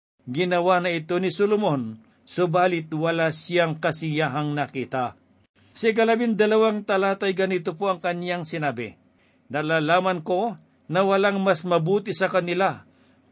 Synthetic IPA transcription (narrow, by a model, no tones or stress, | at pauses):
ɡɪnɐwanɐɪt̪onisolʊmon | sʊbaːlɪt̪wɐlasɪjaŋkɐsijaɦaŋnɐkiːt̪a | sɪkɐlɐbind̪ɐlɐwaŋt̪ɐlaːt̪ɐjɡɐnit̪opoɐŋkɐnjaŋsɪnabɛ̰ | nɐlaːlaːmɐnko | nɐwɐlaŋmasmɐbuːt̪isɐkɐnɪla